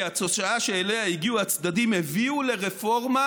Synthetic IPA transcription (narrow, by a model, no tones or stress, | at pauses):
at͡soʃaaʃeelehaiɡiuhat͡sd̪adimeviule̞ʁefo̞ʁma